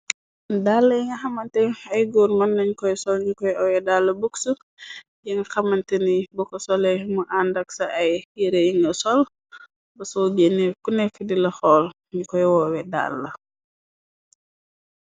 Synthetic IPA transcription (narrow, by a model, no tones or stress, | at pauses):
dalːɐjiŋɡɐxɐmːɐntɛɐjɡoːɾmɐnːɐɲkɔjsɔlɲukɔjɔwɛdalːɐbuksu | jiŋɡɐxɐmɐntenibɔkɔsɔlɛjmuʔandɐksɐʔɐjiɾejiŋɡɐsɔl | bɐsɔɟenːekunɛkːədilɐxɔːl | ɲukɔjwɔwɛda̰lːɐ